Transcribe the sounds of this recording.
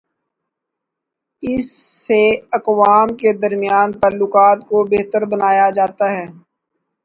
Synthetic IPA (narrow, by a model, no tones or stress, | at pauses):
ɪsːeɐkʋaːmked̪ɐɾmɪjaːnt̪aːlːʊkaːt̪kobeːɦt̪əɾbɐnaːjad͡ʒaːt̪aɦɛː